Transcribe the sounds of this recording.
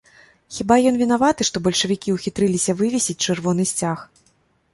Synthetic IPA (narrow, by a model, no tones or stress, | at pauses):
xʲibajɔnvʲin̪avat̪ɨʂt̪ɔbɐlʲʂɐvʲikʲiwxʲit̪ɾɨlʲisʲɐvɨvʲisʲit͡sʲt͡ʂɨrvɔn̪ɨsʲt͡sʲax